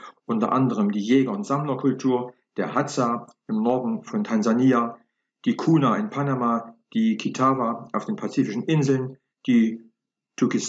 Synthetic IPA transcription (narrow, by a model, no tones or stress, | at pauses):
ʔʊntɐ̰ʔa̰ndəʁəmdiːjɛːɡɐʊntz̥amlɐkʰʊltʰuːɐ | d̥eːɐhat͡saɪmnɔɐdn̩fɔntʰanzaniːa | d̥iːkʰuːnaɪnpʰanamad̥iːkʰitʰaːvaʔaʊfd̥eːnpʰat͡siːfɪʃn̩ʔɪnzl̩n | d̥iː | tʰʊkɪs